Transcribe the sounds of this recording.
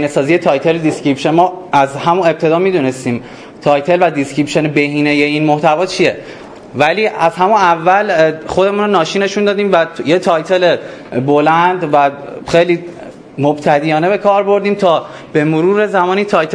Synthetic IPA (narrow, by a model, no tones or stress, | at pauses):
inesɒːzijet̪ʰɒːjt̪ʰeled̪iscɾipʃenmɒːæzhæmune̞b̚t̪ʰe̞d̪ɒːmid̪unest̪iːm | t̪ʰɒːjt̪ʰe̞lvæd̪iscɾipʃenebehiːnejeiːnmoht̪ʰævɒːt͡ʃʰije | væliːæzɦæmunævːælxo̞d̪e̞munonɒːʃiːnːe̞ʃund̪ɒːd̪iːmvæjet̪ʰɒːjt̪ʰe̞lebo̞lænd̪væxejliː | mobt̪ʰæd̪ijɒːne̞be̞kʰɒːɾbo̞ɾd̪iːmt̪ʰɒː | b̥e̞moɾuːɾe̞zæmɒːnit̪ʰɒːjt̪ʰ